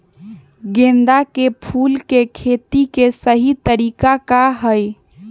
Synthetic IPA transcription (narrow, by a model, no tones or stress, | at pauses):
ɡẽnd̪akepʰulkekʰet̪ikesəɦit̪əɾikakaɦəj